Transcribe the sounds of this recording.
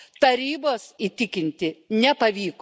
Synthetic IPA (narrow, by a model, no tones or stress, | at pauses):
t̪ɐɾʲiːboːsit̪ʲɪkʲɪnʲt̪ʲɪnʲɛpɐʋʲiːk